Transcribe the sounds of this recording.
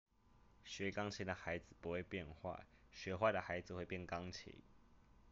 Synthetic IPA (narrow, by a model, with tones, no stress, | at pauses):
ɕɥɛ˨˧˥kɑ˥˦ŋt͡ɕʰi˨˦d̪ə˨xa˨˦ɪd͡zɹ̩˨pu˨˦xwe˥˨ɪpjɛ˥˧nxwa̰˥˩ɕɥɛ˧˥xwa˥˨d̪ə˩xa˧˥ɪd͡zɹ̩˨xwe˥˧ɪpjɛ˥˩nkɑ˦ŋt͡ɕʰḭ˨˦